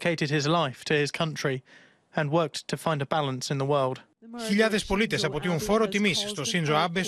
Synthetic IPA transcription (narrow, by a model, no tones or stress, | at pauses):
kʰeɪɾɨd̚ɪzlaɪftʰɨɪz̥kʰʌ̃nt͡ʃɹ̥i | ə̃nwɜˑ˞k̚tʰəfãɪ̃ndəbælə̃nsɨ̃nðəwɜ˞lˠd̥ | çiʎaðespo̞lit̪esɐpot̪iuɱfoɾot̪imisst̪osinzoabe